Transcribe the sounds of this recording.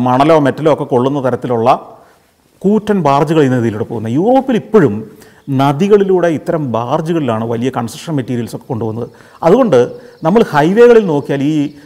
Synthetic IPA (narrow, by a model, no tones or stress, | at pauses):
mɐɳɐloːme̞tːɐloːkːe̞ko̞ɭːunːɐt̪ɐɾɐt̪ːiluɭːɐ | kuːtːɐnbaːrd͡ʑuɣɐɭinːeðijiluɽepːoɣunːɐjuːro̞ːpːilipːo̞ɻum | nɐðiɣɐɭiluːɽe̞it̪ːɐɾɐmbaːrd͡ʑuɣɐɭilaːɳɨʋɐlijɐkɐɳsɐkʂɐnmetːiːɾijɐlso̞kːe̞ko̞ɳɖuʋɐnːɐðɨ | ɐðuɣo̞ɳɖɨnɐmːɐɭhɐjʋe̞ːɣɐɭilno̞ːkːijaːliː